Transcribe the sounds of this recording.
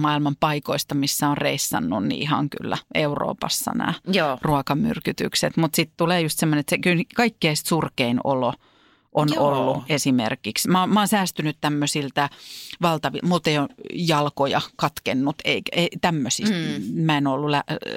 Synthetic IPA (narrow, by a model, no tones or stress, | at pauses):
mɑilmɑmpɑikoist̪ɑmisːæonreisːɑ̰nːunnḭihɑ̰ŋky̰lːæ̰euro̰ːpɑ̰sːɑ̰næ̰ːruɑkɑmy̰rkyt̪y̰kset̪mut̪sit̪t̪uleːjust̪semːonet̪sekylnkɑikːeist̪surkeino̰lo | ʔonolːuesimḛrkiksmɑomɑːnsæːst̪ynyt̪t̪æmːøsilt̪æʋɑlt̪ɑʋḭmult̪ejojɑlkojɑkɑt̪kenːut̪eikeit̪æmːøsist̪mæenolːulæ